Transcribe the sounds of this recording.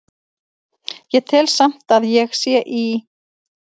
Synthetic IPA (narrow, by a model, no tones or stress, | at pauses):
jɛɣt̪ʰɪlsam̥t̪aðjɛɣsjɛʔi